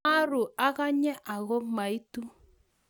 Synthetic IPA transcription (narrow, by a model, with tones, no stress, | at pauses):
a˦ɾʊ˨a˦ɣa˦ɲɛ˦ʔa˨ɣɔ˦ma˨i˦tu˦